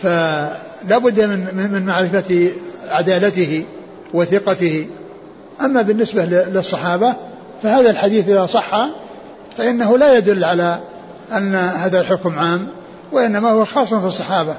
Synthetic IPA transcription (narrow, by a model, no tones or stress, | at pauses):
fa | laːbʊd̪ːmɪnmɪnmaʕɾɪfaʕad̪aːlat̪ɪhɪ | wɪθɪqɑt̪ɪhi | ʔamːabɪnːɪsballɪsˤːɑħɑːba | fahaːðalħad̪iːθʔɪðaːsˤɑħːɑ | faʔɪnːaɦʊlajad̪ʊlːʕala | ʔanːahaːðalħʊkmʕaːmː | waʔɪnːamahʊwaxɑːsˤːɑnfɨsˤːɑħɑːba